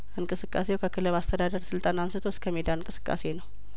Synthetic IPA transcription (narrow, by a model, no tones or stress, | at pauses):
ʔɨnkʼɨsɨkʼːa̰sewkʰəkʰɨləβast̪ʰəd̪ad̪əɾsɨlt̪ʼanamsɨt̪ʰoskʰəmed̪aɨnkʼɨsɨ̥kʼːa̰se̞nəw